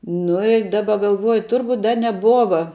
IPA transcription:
ˈnʊ ɪ ˈdɑːbɐ ɡɐlˠˈʋuɔjʊ ˈtʊrbʊtʲ ˈdɐ nʲɛˈbuɔʋɐ

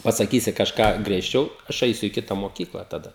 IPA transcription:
pɐsɐˈkʲiːsʲɪ kɐʃˈkɑː ɡrʲiɛʃʲˈt͡ʃʲɛʊ ˈɐʃ ˈɐɪsʲʊ iː ˈkʲɪtɐ moːˈkʲiːklˠɐ tɐˈdɐ

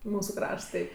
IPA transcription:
ˈmuːsʊ ˈkrɐʃts ˈtɐɪ

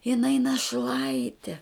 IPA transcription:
jɪˈnɐɪ nɐˈʃlˠɐɪtʲɪ

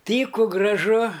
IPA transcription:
ˈtʲiːkʊ ɡrɐˈʒʊ

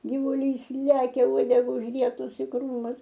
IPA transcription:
ɡʲɪʋʊˈlʲiːs ˈlʲæːkʲɛ ˈuɔdʲɛɡɐ ʊʒʲˈrʲiɛtʊs ɪ ˈkruːmʊs

